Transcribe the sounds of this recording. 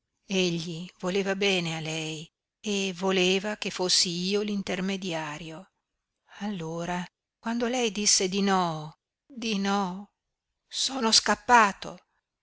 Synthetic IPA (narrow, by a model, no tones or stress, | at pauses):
eʎːivoleːvabɛːnealɛj | evoleːvakefosːiiːolint̪ermed̪jaːɾjo | alːoːɾa | kwand̪olɛjd̪isːed̪inɔ | d̪inɔ | soːnoskapːaːt̪o̰